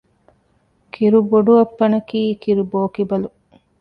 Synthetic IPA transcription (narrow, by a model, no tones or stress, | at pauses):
kʰiɾuboɖuɐpːɐnɐkiːkiɾuboːkibɐlu